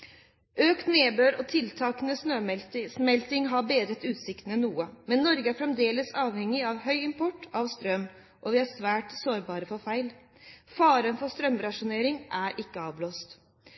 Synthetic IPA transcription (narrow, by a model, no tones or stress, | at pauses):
ʔøːkt̪neːbøːɾɔt̪ʰɪlt̪ʰɑːknəsnøːmsmɛlt̪ɪŋɦɑɾbeːd̪ɾət̪ʉːt̪sɪkt̪ənɛnːuːəmɛnːɔɾɡəæɾfɾɛmd̪eːləsɑːʋhɛŋːɪɑʋhœʏɪmpʰɔʈːɑʋst̪ɾœmː | ʔɔʋɪæɾsʋæːʈsoːɾbɑːɾəfɔɾfæɪl | fɑːɾənfɔst̪ɾœmɾɑʂʊneːɾɪŋʔæɾʔɪkːəɑːʋbloːst̪